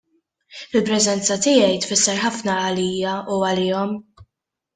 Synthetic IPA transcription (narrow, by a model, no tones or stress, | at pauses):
ɪlpɾɛzɛnt͡sɐt̪ɪjɛjt̪fɪsːɛɾħɐfnɐːliːjɐuɐlɪːɔm